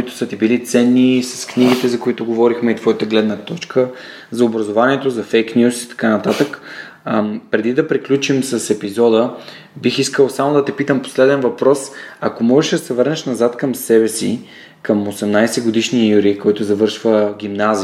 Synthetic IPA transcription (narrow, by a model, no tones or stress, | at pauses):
it̪ʊ̥sət̪ibilit̪sɛnːisɐ̥skniɡ̟it̪ɛzɐkoit̪ʊɡovɔɾixmɛit̪v̥ɔjət̪əɡlɛd̪nət̪ɔt͡ʃkʰə | zɐobɾɐzovaniɛt̪ozɐfɛjknʲjusi̥t̪ɐ̥kanɐt̪at̪ək | pɾɛd̪id̪ɐpɾiklʲut͡ʃimsɐsɛpizɔd̪ə | bixiskəlˠsamod̪ɐt̪ɛpit̪əmpo̥slɛd̪ɛnvɐpɾɔsɐkomɔʒɛʃd̪ɐsɛvɤɾnɛʃnɐzat̪kəmsɛbɛsḭ | kəmosɛmnajsɛɡod̪iʃniəjuɾikɔjt̪ʊzɐvɤɾʃvəɡ̟ʲimnazi